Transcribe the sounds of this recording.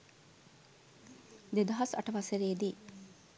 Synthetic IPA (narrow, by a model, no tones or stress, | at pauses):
d̪ed̪ɐɦɐsɐ̰ʈəʋɐseɾeːd̪i